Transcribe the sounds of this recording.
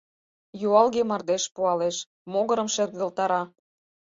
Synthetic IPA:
juɑlɣemɑrd̪eʃpuɑleʃ | moɣəɾə̆mʃert̪̚ɣə̆lt̪ɑɾɑ

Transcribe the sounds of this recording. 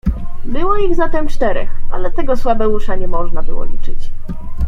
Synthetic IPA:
bɘwɔiɣzat̪ɛmt͡ʂt̪ɛɾɛ̰xa̰lɛt̪ɛɡɔswabɛwuʂaɲɛmɔʐnabɘwɔ̰lʲit͡ʂɘt͡ɕ

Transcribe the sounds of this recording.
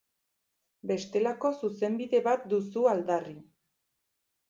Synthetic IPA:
be̞st̪e̞lako̞suse̞mbiðe̞βat̪̚d̪usuald̪ari

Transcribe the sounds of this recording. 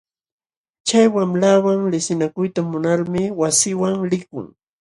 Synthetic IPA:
t͡ʃajwamlawaŋlɪsɪnakʊjt̪amʊnaɾmɪwasɪwaŋɾɪkʊ̰ŋ

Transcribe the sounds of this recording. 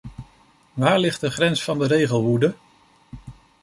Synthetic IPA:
ʋaːɹlɪχtdəχrɛnsfɑndəɾejχəlˠʋudə

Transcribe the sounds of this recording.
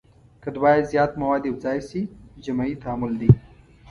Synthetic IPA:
kəd̪wɑːjazjɑːt̪mɐwɑːd̪iwzɑːjsid͡ʒamait̪aːmʊld̪i

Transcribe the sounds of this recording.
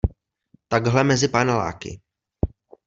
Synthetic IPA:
t̪aɡɦlɛmɛzɪpanala̰ːkɪ̰

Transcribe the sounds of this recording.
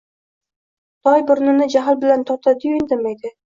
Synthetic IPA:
d̪̥ɒjbʊɾnɪnɪd͡ʒaɦɪlbɪlant̪ʰɒt̪ʰad̪ɪjond̪ɪmed̪ɪ

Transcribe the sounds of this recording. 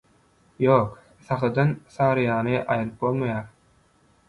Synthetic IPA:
jo̞ːk | θɑχɯd̪ɑnsɑːɾɯjɑːnɯʔɑjɯlɯp̚bo̞lˠmɑjɑːɾ

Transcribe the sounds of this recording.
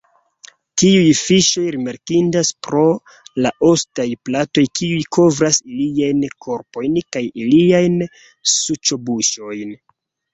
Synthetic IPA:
tiujfiʃo̞jɾimaɾkindaspɾo̞ | laʔo̞stajplato̞jkiujkʰo̞vɾasiliajnkʰo̞ɾpo̞jnkajiliajn | sut͡ʃobuʃo̞jn

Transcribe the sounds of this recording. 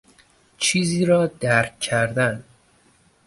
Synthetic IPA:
t͡ʃʰiːziːɾɒːd̪æɾkcʰæɾd̪æn

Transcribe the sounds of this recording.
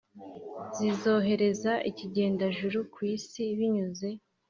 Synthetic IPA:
zizo̞ːɦe̞ɾe̞zaʔiciɟe̞ːndaʒuɾukwiːsiβiɲuze̞

